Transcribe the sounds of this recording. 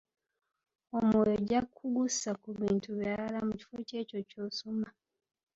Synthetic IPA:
omojoɟakʰuɡusakuβiːntuβjaalamuci̥foce̞ːco̞co̞ːsoma

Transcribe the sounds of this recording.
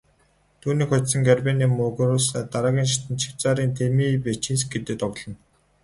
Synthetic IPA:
t̪ʰuːniːkxχʊt̪sə̆ŋɡærpeːniːmʊɣrʊːst̪aɾaːɣʲiːnʃ̬ɪt̪ɘ̆nt͡ɕʰi̥w̥t͡saːɾiːnt̪ʰemiːpet͡ɕĭns̬k̚ɡet̪ɘ̆t̪ɔɣɮɞ̆n

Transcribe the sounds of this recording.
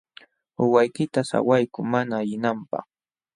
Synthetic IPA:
ʊwajkɪt̪asa̰wajkʊmanaːjɪnampɑ̰χ

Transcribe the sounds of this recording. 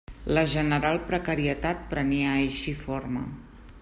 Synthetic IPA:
ləʒənəɾalˠpɾəkəɾiət̪at̪̚pɾəniəjʃifoɾmə̰

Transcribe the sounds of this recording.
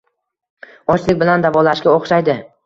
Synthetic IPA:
ɒt͡ʃlɪkʲbɪland̪avɒlaʃkʲaoχʃajd̪ɪ

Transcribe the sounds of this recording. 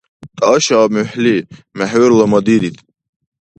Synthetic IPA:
t̪ʼaːʃaːmyħlimɛħwɛɾlɔmad̪id̪it̪ʰʼ

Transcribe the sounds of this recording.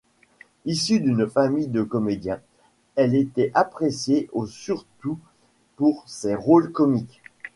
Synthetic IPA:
isyd̪ynfamijd̪əkɔmed̪jɛ̃ | ɛlet̪ɛʔapχesjeʔosyʁt̪u | puʁseʁolkɔmik

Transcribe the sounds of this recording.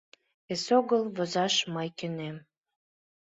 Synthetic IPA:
esoɣəlβozɑʃməjkønem

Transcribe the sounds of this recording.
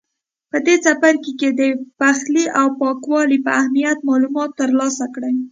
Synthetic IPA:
pəd̪esafaɾkeked̪əpaxliʔawpɑkwɑlipəahmijat̪̚mɑlumɑt̪ːəɾlɑsakɽəj

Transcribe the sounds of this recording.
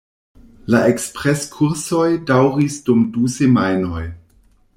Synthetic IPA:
laekspʁeskʰuɾso̞jdawɾisdumdusemajno̞j

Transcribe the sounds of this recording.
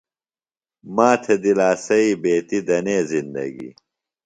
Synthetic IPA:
maːt̪ʰed̪ilaːsɐibeːt̪id̪ɐneːzind̪ɐ̰ɡḭ

